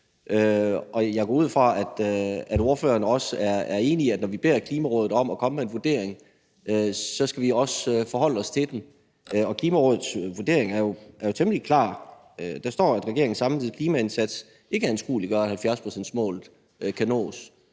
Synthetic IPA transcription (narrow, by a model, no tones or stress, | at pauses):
ʔøɒ̽jɑ̈ɪɡ̥ɒːuð̰ˠfʁɑ̈æd̥æd̥o̝ɐfø̰ːɐnəɒ̽sæɐæɐe̝ːniæd̥nɒʋib̥e̝ɐ̰kʰliːmæʁɔ̽ːðð̩ˠɒ̽m̰ɒ̽kʰɒ̽məmeenʋod̥e̝̰ɐeŋ | øsɒ̽sɡ̥æʋiɒ̽søfɒ̽ɦɒ̽l̰əɒ̽st͡sʰe̝d̥em | øɒ̽kʰliːmæʁɔ̽ːðð̩ˠsʋoɐd̥e̝̰ɐeŋæɐjo̝ʔæɐjo̝t͡sʰeməlikʰlɑ̈ː | ød̥ɑ̈sd̥ɒ̰ːæd̥ʁɛɡ̥e̝ɐeŋn̩sːɑ̈mliðˠkʰliːmæe̝nsæd̥s | e̝ɡ̥əæensɡ̥ṵːliɡ̥ɶɐæhælfjæɐspʰʁosen̰d̥smɔ̰̽ːlð̩ˠ | økʰæno̝̰ːs